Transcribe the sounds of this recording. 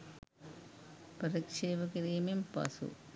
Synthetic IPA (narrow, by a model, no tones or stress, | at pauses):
pɐɾikʂeːʋɐkiɾiːmimpɐ̰sṵ